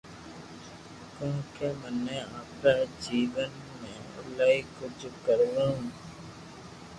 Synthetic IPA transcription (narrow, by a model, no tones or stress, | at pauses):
kõːkeːmənẽːaːpɾaːd͡ʒiːʋən | mẽːʊ̰laːiːkʊd͡ʒkəɾʋõː